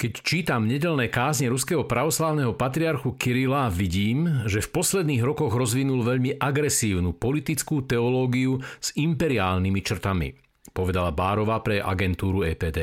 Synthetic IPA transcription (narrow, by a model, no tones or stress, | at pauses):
kɛct͡ʃiːt̪amɲɛɟɛʎnɛkaːzɲɛɾuskɛɦɔpɾaʋɔslaːʊnɛɦɔpat̪ɾiaɾxukiɾilaʋiɟiːmʒɛfpɔslɛd̪niːɣɾɔkɔɣɾɔzʋinulʋɛʎmiʔaɡɾɛsiːʊnupɔlit̪it͡skuːt̪ɛɔlɔːɡiuz̥impɛɾiaːlnimit͡ʃr̩t̪amḭ | pɔʋɛd̪alabaːɾɔʋaːpɾɛʔa̰ɡɛnt̪uːɾuɛːpɛːd̪ɛː